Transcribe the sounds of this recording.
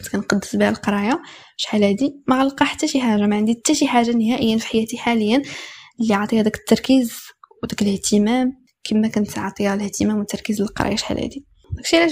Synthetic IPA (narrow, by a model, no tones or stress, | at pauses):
t̪kænqɑd̪ːəsbihælqɑɾˤɑja | ʃħalæd̪imæɣælqɑħat̪ːæʃiħaʒːamæʕənd̪it̪ːæʃiħaʒːanəhæʔəjːænfħajæt̪iħaləjːænlːiʕot̪ˤijæd̪ækə̥t̪ːɑɾˤkizwd̪ækəlht̪əmæm | kʰimːækʊnt̪ʕʕt̪ˤijaləht̪əmæmwət̪ːɑɾkizləlqɑ̰ɾˤɑ̰jaʃħa̰lʔæ̰d̪i | d̪ækʃiʕlæ